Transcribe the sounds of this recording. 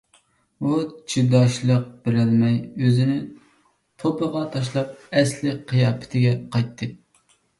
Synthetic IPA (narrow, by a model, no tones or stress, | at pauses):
ut͡ʃʰid̪ɑʃlˠəq̚bɪɾɪlmɛjøzɪnɪ | t̪ʰopʰəʁɑt̪ʰɑʃ̬lˠɑp̚ɛslɪqʰijɑːpʰɪ̥t̪ʰɪɡʲɛqʰɑjt̪ʰːɨ